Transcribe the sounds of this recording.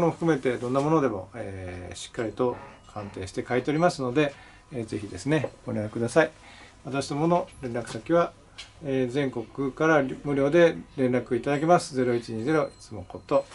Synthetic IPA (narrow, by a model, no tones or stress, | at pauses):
nɸɯ̥kɯme̞t̪e̞d̪õ̞nːamo̞no̞d̪e̞mo̞̰eːɕi̥kːaɾʲit̪o̞kʰãnt̪e̞ːɕi̥t̪e̞kait̪eɾʲimasɨno̞d̪e̞ː | ze̞çid̪e̞sɨne̞ɡ̥oɾʲakɯd̪asai | βat̪aɕi̥nomo̞no̞ɾẽnɾakɯ̟sakʲiβa | eːzẽ̞ŋko̞kɯ̟kaɾamɯ̟ɾʲo̞ːd̪e̞ɾẽ̞nɾakɯ̟it̪ad̪ak̬e̞masɨ̥ze̞ɾo̞it͡ɕiɲ̟iːze̞ɾo̞i̥t͡sɨmo̞ko̞t̪ːo̞